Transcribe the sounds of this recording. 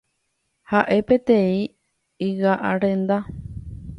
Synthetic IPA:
haʔe̞pe̞t̪ẽĩ | iwaʔaɾẽ̞nd̪a

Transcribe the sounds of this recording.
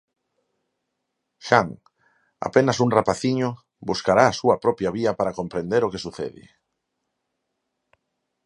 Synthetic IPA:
ʃaŋ | a̰penasuŋrapaθiɲʊ | buskaɾaːsuɐpɾɔpjaβiɐpaɾakompɾẽnd̪eɾokesuθḛðḭ

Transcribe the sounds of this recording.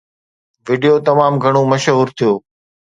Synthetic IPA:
ʋɪɖijot̪ɐmaːmɡʱɐɽ̃omɐʃɦuːɾt̪ʰijoː

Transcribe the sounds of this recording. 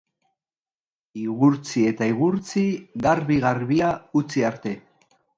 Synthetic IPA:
iɣuɾt͡sie̞t̪aiɣuɾt͡siɣaɾβiɣaɾβiaut͡siaɾt̪e̞

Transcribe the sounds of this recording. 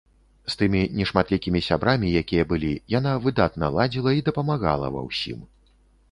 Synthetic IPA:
st̪ɨmʲinʲɛʂmat̪lʲikʲimʲisʲabɾamʲijakʲijɐbɨlʲijanavɨd̪at̪nɐlˠad͡zʲilˠɐid̪ɐpɐmaɣa̰lˠɐ̰vɐ̰wsʲḭm

